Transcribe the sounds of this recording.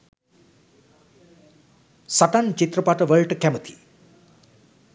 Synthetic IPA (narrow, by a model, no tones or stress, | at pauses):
sʌʈant͡ʃit̪rʌpaʈʌʋʌɭʈkɛmʌt̪ʰi̥